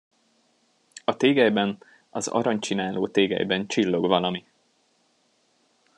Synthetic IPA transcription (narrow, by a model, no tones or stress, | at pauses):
ɒt̪eːɡɛjbɛn | ɒ̰zɒ̰ɾɒɲt͡ʃinaːloːt̪eːɡɛ̰jbɛnt͡ʃilːo̞ɡʋɒlɒmi